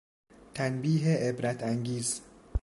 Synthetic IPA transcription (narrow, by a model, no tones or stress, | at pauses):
t̪ʰænbiːɦeʔebɾæt̪ʰæŋɡiːz